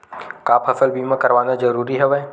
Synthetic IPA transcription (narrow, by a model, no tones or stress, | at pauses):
kaːpʰɐsəlbiːmãkɐɾʋaːnad͡ʒəɾuːɾiɦɛʋɛː